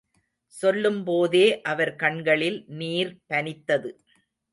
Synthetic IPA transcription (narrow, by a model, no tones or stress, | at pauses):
sɔlːɯmpoːðeːʔɐʋɐɾkɐɳɡɐɭɪlniːɾpɐnɪt̪ːɐðɯ